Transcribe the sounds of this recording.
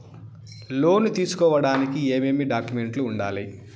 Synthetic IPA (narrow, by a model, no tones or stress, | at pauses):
lo̞ːnut̪iːsu̥kɔːʋɐɽaːnikieːmeːmiɖaːkjume̞ɳʈluːɳɖaːli